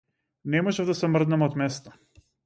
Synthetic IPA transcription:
nɛmɔʒɛvd̪asɛmr̩d̪namɔt̪mɛst̪ɔ̥

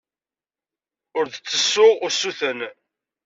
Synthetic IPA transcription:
ʊɾðt͡sːəsːʊʊɾsuθən

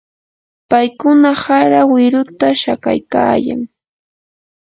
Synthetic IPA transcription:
pajkʊnahaɾawɪɾʊt̪aʃaka̰jka̰ːja̰ŋ

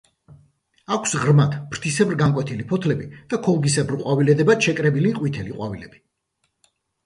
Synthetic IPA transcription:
akʷʰsʁɾmat̪pʰɾt̪ʰisɛbɾɡaŋkʼwɛt̪ʰilipʰɔt̪ʰlɛbid̪̥akʰɔlˠɡisɛbɾqʼwavilɛd̪ɛbaʃɛkʼɾɛbiliqʼwit̪ʰɛliqʼwa̰vilɛb̥i̥

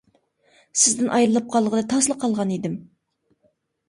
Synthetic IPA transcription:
sɪzd̪ɪnʔɑjɾɨlˠɨp̚qʰɑlˠʁəlˠɨt̪ʰɑslˠəqʰːɑlˠʁɑnid̪ɪm

